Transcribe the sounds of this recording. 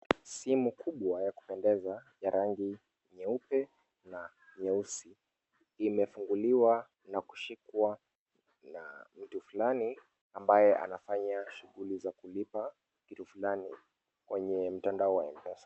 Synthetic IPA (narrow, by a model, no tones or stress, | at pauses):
simukʰuɓwajaku̥pɛndɛzaʄaɾʔaŋɡi | ɲɛupɛ | na | ɲɛusi | imɛfuŋɡuliwa | naku̥ʃikwa | na̰m̩tufulani | ambajɛʔa̰nafaɲaʃuɣulizakulipa | kitufulani | kwɛɲɛm̩tandaɔwaimpɛsḁ